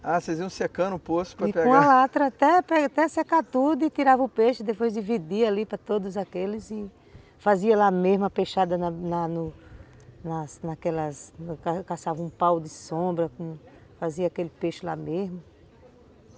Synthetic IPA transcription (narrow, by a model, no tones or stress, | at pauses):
aseziɐ̃sekɐ̃nʊposʊ̥pɐipɛkõɐlat̪ɾɐat̪ɛpɾɛat̪ɛsekat̪ud̪ʊɪt̪iɾavɐ̃ʊpeʃʊd̪epojzd̪ivid̪ialipɾɐt̪od̪ʊzakelɪzɪ | faziɐlamezmɐpeʃad̪ɐnɐnɐnʊ | nɐsnakɛlɐskakasavɐũpawd̪ɪsõbɾɐkõ | faziɐakelɪpeʃʊla̰mezmʊ